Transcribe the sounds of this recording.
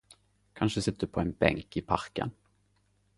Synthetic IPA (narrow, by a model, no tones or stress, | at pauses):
kʰanʂəsɪt̪ːəd̪ɵpʰɔɛnbɛ̰ŋkɪpʰaɾkə̰n